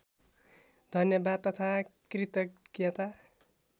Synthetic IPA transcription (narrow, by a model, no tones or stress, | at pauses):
d̪ʱʌnjʌbad̪̚t̪ʌt̪ʰakrit̪ʌkjʌt̪a